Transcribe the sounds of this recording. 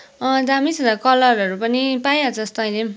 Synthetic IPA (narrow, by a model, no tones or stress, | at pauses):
d̪amisʌd̪akʌlʌɾʌɾupʌnipajad͡zʌst̪oʌj̃le